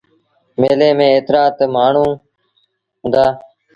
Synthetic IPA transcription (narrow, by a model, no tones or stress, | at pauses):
meːleːmẽːeːt̪ɾaːt̪maːɳ̤ũː | ɦʊ̃nd̪aː